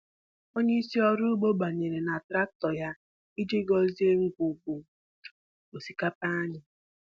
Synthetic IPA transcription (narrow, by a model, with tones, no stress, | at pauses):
o˦ɲe˦i˦si˦ɔ˦ɾʊ˦ɡ͡bo˦ɡ͡ba˨ɲe˨ɾe˨na˨tɾa˦k̚tɔ˨ja˦ | i˦d͡ʒe˦ɡɔ˦zi˦e˦ŋ̩˦kʷu˨ɡ͡bu˨ | o˨si˦ka˦pa˦ɲɪ˨